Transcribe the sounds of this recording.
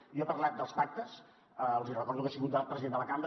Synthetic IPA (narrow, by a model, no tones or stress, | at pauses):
jɔpərlat̪̚d̪əlˠspak̚t̪əs | əəwzirəkɔɾðukasiɣut̪̚d̪at̪̚pɾəziðend̪ələkamb